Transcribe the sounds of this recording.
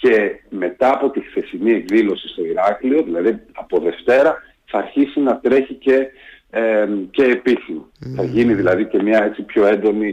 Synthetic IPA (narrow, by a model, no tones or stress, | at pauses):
ce̞me̞t̪ɐːpo̞t̪ixθe̞sinie̞kðilo̞sist̪o̞iɾɐklio̞ðilɐðiɐpo̞ðe̞ft̪e̞ɾɐ | θɐːɾçisinɐt̪ɾe̞çice̞ | ce̞ːpiθinoθɐʝiniðilɐðice̞mɲɐe̞t͡sipço̞e̞nd̪o̞ni